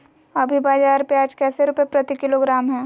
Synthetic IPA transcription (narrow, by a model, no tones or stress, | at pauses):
ɐbʱibaːd͡ʒaːɾpeaːd͡ʒkɛːseɾuːpepɾɐt̪ikɪloːɡɾaːmɦɛ̃ː